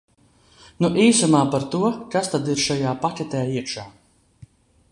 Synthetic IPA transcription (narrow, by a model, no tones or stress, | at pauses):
nuʔiːsumaːpaɾt̪uɔkast̪ad̪iɾʃajaːpakʲɛt̪ʲɛːiɛkʃaː